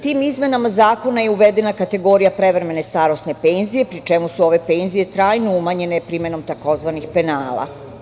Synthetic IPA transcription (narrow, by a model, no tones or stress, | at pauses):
t̪iːmizme̞namazaːko̞najeuʋed̪e̞nakat̪e̞ɡo̞ɾijapɾe̞ʋɾeme̞ne̞st̪aːɾosne̞pe̞nzije̞pɾit͡ʃemusuo̞ʋe̞pe̞ːnzije̞t̪ɾaːjnoumaɲe̞nepɾime̞no̞mt̪ako̞zʋanixpe̞naːla̰